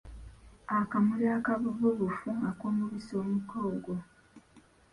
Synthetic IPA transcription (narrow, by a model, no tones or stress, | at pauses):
akamuliaːkaβuvuβufuŋɡakoːmuβisoːmukoːɡo